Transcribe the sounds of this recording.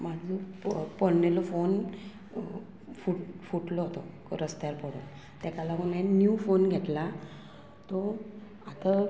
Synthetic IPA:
mad͡zʱɔpɔɽnelɔfon | fuʈfuʈlɔɦot̪ɔkɾəst̪jaɾpəɽṵːn | t̪akalaunenjufonɡʱet̪la | t̪ɔ | at̪a

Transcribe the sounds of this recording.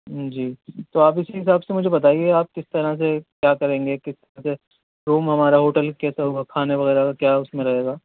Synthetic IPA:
d͡ʒiːt̪oaːpɪsiɦɪs̬aːbsemʊd͡ʒʱebɐt̪̬aːieaːp̚kɪst̪ɐɾas̬ekjaːkɐɾẽːŋɡekɪst̪ɐɾase | ɾuːmɦɐmaːɾaɦoːʈəlkɛːsaɦuakʰaːneʋɐɣɛːɾakjaːʊsmẽɾɐɦeːɡaː

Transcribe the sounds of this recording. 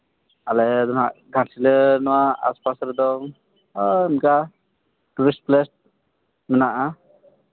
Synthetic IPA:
alɛd̪ɔnaɡʱãsilɛnɔwaa̰spasɾɛd̪ɔŋ | mka | ʈuwisplɛsʈ̚ | mɛnaʔa

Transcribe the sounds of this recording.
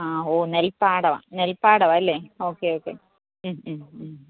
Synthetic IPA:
aːoːnelpaːɽɐʋã̰nelpaːɽɐʋaɐlːeoːkːeoːkːḛ | mː

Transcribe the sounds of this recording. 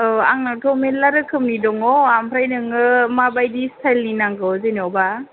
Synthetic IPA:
a̰ŋnatʰɔmenlaɾɯkʰɯmnidɔŋɔampʰɾajnɯŋɯmabajdistʰajlninaŋɡɯwzenɔwba

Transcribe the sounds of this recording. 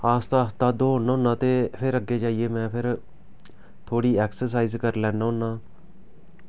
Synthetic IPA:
aːst̪aːst̪aːd̪oːɦʊnːaːʊnːãːt̪eːpʰɪɾəɡːeːd͡ʒaːieːmɛ̃ːpʰɪɾ | t̪ʰoːɽiːɛːksəɾs̬aːiːzkəɾlɛ̃ːnaːɦʊnːãː

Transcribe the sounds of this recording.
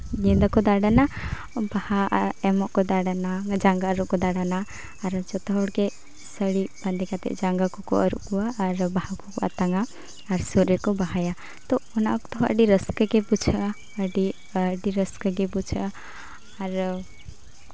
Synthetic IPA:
ɡĩnd̪akɔd̪aɽana | bahaɛmɔʔkɔd̪aɽanad͡ʒaŋɡaəɾuʔkɔd̪aɽanaː | ɾd͡ʒɔt̪aɦɔɽke | səɽiband̪ikat̪ɛ̰ʔd͡ʒaŋɡakukṵʔəɾṵʔɡuaʔːɾbahakukua̰t̪aŋɡaː | ɾsuɾiɾkɔbaɦaja | t̪ɔɔna̰kt̪ɔɦə̰ɖiɾəskəɡebut͡ʃʰa | əɖi | ɖiɾəskəɡɛbut͡ʃʰaː | ɾ

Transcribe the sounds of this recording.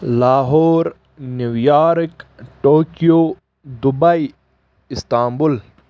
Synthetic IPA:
laːɦoːɾ | nuʋjaːɾkʈoːkijoː | d̪ubai | ɪst̪aːmbul

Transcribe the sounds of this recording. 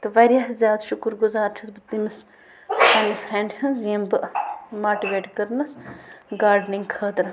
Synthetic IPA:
t̪ɨʋɐɾʲjaɦzʲjaːd̪ʃʊkɨɾɡʊzaːɾt͡ʃʰɐsbɨt̪imɐs | sɐnifʰɾeːɳɖhɐnzijɐmbɨʔmaːʈiʋeːʈkɐɾnɐsɡaːɾɖniŋɡkʰəːt̪ɾ

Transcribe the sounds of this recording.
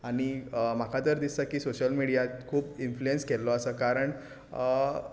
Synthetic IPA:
aɽ̃im̤akʰat̪əɾd̪isəkiːsoɕəlmiɽijat̪kʰuːpinfluenskelːɔəsəːkaɾəɳ

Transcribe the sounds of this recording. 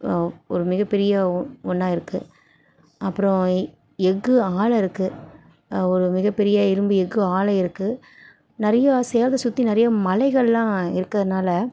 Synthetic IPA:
ɔɾɯmɪɣɐpɛɾɪjɐɔnːaːɪɾɯkːɯ | ɐpːɯɾɔ̃ | ɛɡɯaːlɪɾɯkːɯ | ɔɾɯmɪɣɐpːɛɾɪjɐɪɾɯmbɯɛɡːɯaːlɐɪɾɯkːɯ | nɪɾɐjɐseːlðɐsʊt̪ːinɪɾɐjɐmɐlɐɪɣɐɭlãːɪɾɯkːɐðɐnaːlɐ

